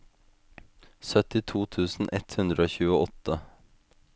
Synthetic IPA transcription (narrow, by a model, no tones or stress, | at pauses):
sœt̪ɪt̪ʰuːt̪ʰʉːsn̩ʔɛt̪hʉnd̪ɾəoːçʉːəʔɔt̪ə